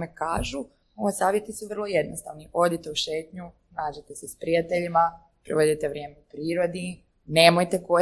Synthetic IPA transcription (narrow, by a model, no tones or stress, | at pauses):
mekaːʒu | oosaːʋjet̪isuʋr̩lˠo̞je̞d̪nost̪a̰ʋniʔo̞d̪it̪e̞uʃe̞ːt̪ɲu | naːd͡ʑet̪esespɾijat̪eʎima | pɾiʋod̪it̪eʋɾje̞ːmeupɾiːɾod̪i | ne̞ːmojt̪e̞ko